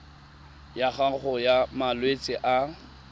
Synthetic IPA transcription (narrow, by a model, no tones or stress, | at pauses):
jaχaχʊjamalwet͡sʼɪʔa